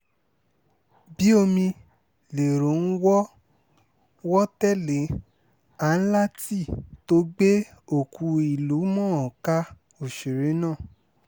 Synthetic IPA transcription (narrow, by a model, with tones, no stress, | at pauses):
bi˨˦o˧mĩ˧ | le˨ɾo˨˦n̩˦wɔ˦ | wɔ˦tɛ˦le˨˦ | a˨n̩˦la˦ti˦˨to˦ɡ͡be˦o˨kʰu˧i˨lu˨˦mɔ̃˦ɔ˨ka˦ | o˨ʃe˨ɾe˨˦nãː˦˨